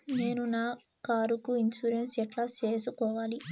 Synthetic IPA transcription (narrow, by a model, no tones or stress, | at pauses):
ne̞ːnunaː | kaːɾukuinsuɾensɛʈlaːt͡ʃe̞ːsukɔːʋaːli